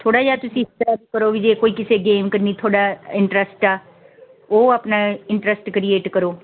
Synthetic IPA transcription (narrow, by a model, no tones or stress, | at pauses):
t̪ʰoːɽaːjaːt̪ʊsĩːsʈaːbkəɾoːʋid͡ʒeːkoːiːkɪseːɡeːmkəɾniːt̪ʰoːɽaːɪ̃ɳʈɾəsʈaː | oːapnaːɪɳʈɾəsʈkɾieːʈkəɾoː